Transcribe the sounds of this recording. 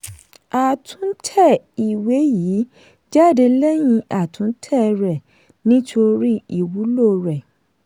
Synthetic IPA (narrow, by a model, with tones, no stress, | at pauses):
a˨tʰũ˨˦n̩˦tʰɛ˦˨ | i˨we˨˦jiː˨˦ | d͡ʒa˦˨de˧lɛ˦j̃ĩ˧ʔa˨tʰũ˨˦tʰɛ˦˨˧ɾɛ˨ | nĩ˦tʰo˧ɾi˦i˦˨wu˨˦lo˦˨ɾɛ˨